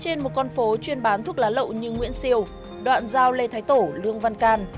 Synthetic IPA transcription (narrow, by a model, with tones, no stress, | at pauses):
t͡ɕe˧nmo˨˩t̚kɔ˧nfo˨˦t͡ɕwi˧ənɓaː˨˦nt̪ʰk̚laː˨˦lə̰˧˨wɲɨ˧ŋwḭ˧˥ənsi˧əw | ɗwa̰ː˧˨nzaː˧wle˧t̪ʰaː˨˦jt̪o˧˩lɨ˧əŋva˧nkaː˧n